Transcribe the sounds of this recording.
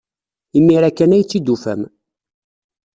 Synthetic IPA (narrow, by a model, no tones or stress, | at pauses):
imːiɾækːænæjt͡sːid̪ːufæ̰m